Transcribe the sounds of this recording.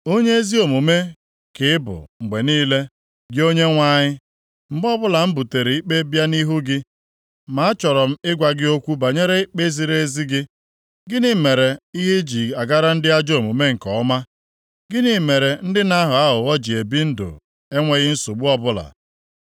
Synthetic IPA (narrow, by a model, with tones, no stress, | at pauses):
o˦ɲe˦e˦zi˦o˨mu˨me˦ | kɪ˨ɪ˦bʊ̰˨ŋ͡m̩˨ɡ͡be˨niː˦le˦ | ɡɪ˦o˦ɲe˦ŋʷa˦ɲɪ˦ | ŋ͡m̩˨ɡ͡bɔ˦bʊ˦la˨m̩˦bu˨te˨ɾe˨i˦k͡pe˦bja˦ni˦ɦu˦ɡɪ˦ | ma˨˦a˦t͡ʃɔ˨ɾɔ˨m̩˦ɪ˦ɡʷa˨ɡɪ˦o˦kʷu˦ba˨ɲe˦ɾe˦k͡pe˦zi˨ɾe˦zi˦ɡɪ˦ | ɡɪ˦nɪ˨me˨ɾe˨i˦ɦe˦d͡ʒi˨a˨ɡa˦ɾa˦n̩˦dɪ˦a˦d͡ʒo˨mu˨me˦ŋ̩˨kɔ˨˦ma˦ | ɡɪ˦nɪ˦˨me˨ɾe˨n̩˦dɪ˦na˦ɦʊ˨a˦ɦʊ˨ɔ˦d͡ʒi˨e˨bi˦n̩˦dʊ̰˨ | e˦ŋʷe˦ɣɪ˦n̩˦su˨ɡ͡bu˦ɔ˦bʊ˦la̰˨